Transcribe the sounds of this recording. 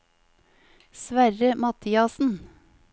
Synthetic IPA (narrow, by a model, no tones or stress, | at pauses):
sʋæɾəmɑt̪ʰiːɑsn̩